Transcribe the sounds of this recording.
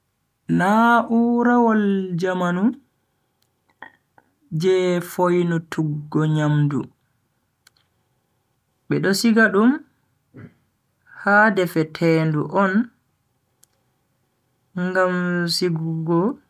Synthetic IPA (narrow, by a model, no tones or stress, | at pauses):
naʔuːɾawald͡ʒamanu | d͡ʒɛfojnutʰuɡːɔɲamdṵ | ɓɛɗɔsiɡaɗum | hadɛfɛtʰɛːnduʔɔn | ŋɡamsiɡuɡɔ